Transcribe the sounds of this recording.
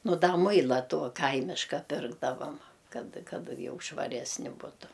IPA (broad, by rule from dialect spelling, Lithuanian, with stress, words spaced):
ˈnʊ ˈdɐ ˈmʊɪlˠɐ ˈtoː ˈkɐɪmʲɪʃkɐ ˈpʲɪrɡdɐʋɐm ˈkɐt ˈkɐt ˈjɛʊ ʃʋɐˈrʲæːsʲnʲɪ ˈbʊtʊ